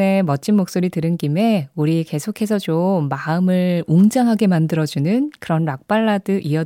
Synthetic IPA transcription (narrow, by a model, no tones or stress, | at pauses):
e̞mʌt͡ɕ͈ʰinmːok̚s͈oɾitɯɾɯnkime̞uɾike̞sʰokʰe̞s̬ʰʌt͡ɕomːaɯmɯɭoŋd͡ʑaŋɦaɡe̞mandɯɾʌd͡ʑunɯnkɯɾʌnɾak̚p͈aɭːadɯʔiʌ